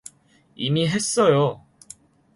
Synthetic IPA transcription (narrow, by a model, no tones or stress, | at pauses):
imiɦe̞s͈ʌjo